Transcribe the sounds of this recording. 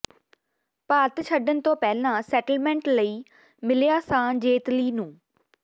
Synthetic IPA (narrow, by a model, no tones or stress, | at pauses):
paːt̪t͡ʃʰəɖənt̪õːpɛːlãːsɛːʈəlmɛ̃ːɳʈləiː | mɪljaːsãːd͡ʒeːt̪liːnũː